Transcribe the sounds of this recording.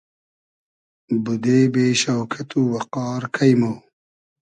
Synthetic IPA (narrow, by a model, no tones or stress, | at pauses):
bud̪eːbeːɕɐwkʰɐt̪uːwɐqɑːɾkʰɐjmoː